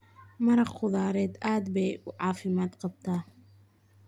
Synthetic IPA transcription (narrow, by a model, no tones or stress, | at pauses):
mɐɾɑqqʊðaːɾɛːd̪aːd̪bɛjʔʊʕɑːfɪmaːd̪qɑb̚t̪ʰaː